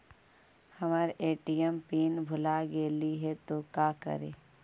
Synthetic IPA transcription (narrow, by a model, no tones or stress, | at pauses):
hɐmaɾʔeːʈijəmpiːnbʱʊlaɡeːliɦɛt̪okaːkə̰ɾḛː